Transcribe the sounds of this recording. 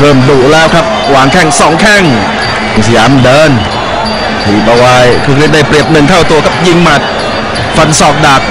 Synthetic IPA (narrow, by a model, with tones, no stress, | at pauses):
ɾʰɤː˧˩mduː˨˩ʔlɛː˦˥wkʰɾa˦˥p̚waː˨˩˦ŋkʰɛ˧˥˩ŋsɔː˩˦ŋkʰɛ˥˩ŋ˧˩ | si˨˧jaː˨˦mdɤː˧˥˩n | t̪ʰiː˨˩pa˧wa˧˥˩jkʰɾɯ˧˥kʰɾi˦˥t̚da˥˩jpɾi˨˩əp̚nɯ˨˩ŋk̪ʰa˥˩wt̪u˧ɐkʰa˧˥p̚ji˧ŋma˨˩t̪̚ | fa˨˧˥nsɔː˨˩k̚daː˨˩k̪̚